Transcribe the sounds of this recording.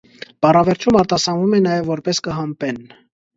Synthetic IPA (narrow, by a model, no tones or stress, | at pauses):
b̥ɑrɑvɛɾt͡ʃʰumɑɾt̪ɑsɑnvumɛnɑjɛvːɔɾpɛskəɦɑmpɛn